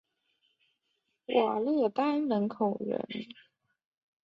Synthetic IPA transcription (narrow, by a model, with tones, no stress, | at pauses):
wʔa˨˩lə˥˩t̪a˥nnə˧˥nkʰo˨˩ʊɻə̰˧˥n